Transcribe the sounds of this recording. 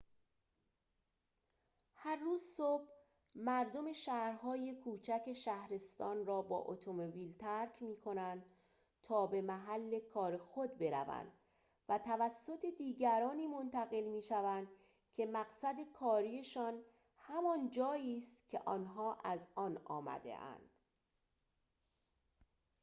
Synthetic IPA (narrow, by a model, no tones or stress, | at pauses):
hæɾːuːzsob̥ | mæɾd̪o̞me̞ʃæhɾɦɒːje̞kʰuːt͡ʃʰæke̞ʃæhɾe̞st̪ɒːnrɒːbɒ̰ːʔo̰t̪ʰo̞mobiːlt̪ʰæɾcʰmiːkʰo̞nænd̪̥ | t̪ʰɒːbe̞mæɦælːe̞kʰɒːɾe̞xod̪̚be̞ɾæ̰væ̰nd̪̥ | væt̪ʰævæsːo̞t̪ʰe̞d̪iːɟæɾɒːniːmo̞nt̪ʰæɣe̞lmiːʃævænd̪ | cʰe̞mæɣsæd̪e̞kʰɒːɾieʃɒːn | hæmɒːnd͡ʒɒːjiːst̪cʲʰe̞ʔɒːnɦɒːʔæzɒːnɒ̰ːmæ̰d̪e̞̰ʔæ̰nd̪̥